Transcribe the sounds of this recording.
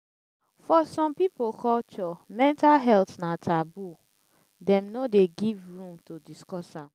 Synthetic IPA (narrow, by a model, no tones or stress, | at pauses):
fɔsɔ̃mpipokɔlt͡ʃɔmɛ̃ntalɦɛltnatʰabu | dɛ̃mnodeɡivɹũmtodiskɔsãm